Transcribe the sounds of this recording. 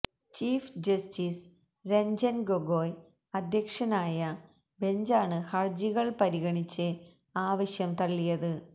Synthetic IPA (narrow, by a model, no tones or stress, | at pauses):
t͡ɕiːfd͡ʑɐstiːs | ɾeɲd͡ʑɐnɡoɡoːj | ɐd̪ʱjɐkʂɐnaːjɐ | be̞ɲd͡ʑaːɳɨhɐrd͡ʑiɣɐɭpɐɾiɣɐɳit͡ɕːɨ | aːʋɐɕjɐmt̪ɐɭːijɐðɨ